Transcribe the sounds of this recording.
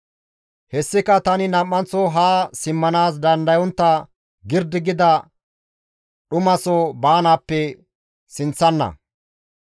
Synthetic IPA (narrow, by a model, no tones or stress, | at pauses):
hɛsːɪkɐt̪ɐnɪnɐmːɐnt͡sːɔɦaːsɪmːɐnaːs̬d̪ɐnd̪ɐjɔnt̪ːɐ | ɡɪɾd̪ɪɡɪd̪ɐ | ɗʊmɐsɔbaːnaːpːɛ | sɪnt͡sːɐnːɐ̰